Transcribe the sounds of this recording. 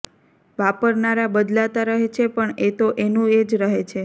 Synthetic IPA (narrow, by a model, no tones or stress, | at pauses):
ʋapəɾnaɾabəd̪lat̪aɾəɦet͡ʃʰepəɳet̪oʔenũed͡ʒɾəɦet͡ʃʰe